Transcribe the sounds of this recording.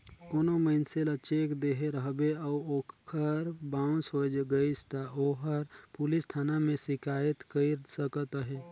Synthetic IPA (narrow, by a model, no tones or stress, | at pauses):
koːnoməɪnselət͡ʃeːkd̪eɦeɾəɦbeəuoːkkʰəɾbaːʊ̃nsoːd͡ʒɡəist̪aʔoːɦəɾpuːlist̪ʰaːnamẽsɪkaːjət̪kəiɾsəkət̪əɦeː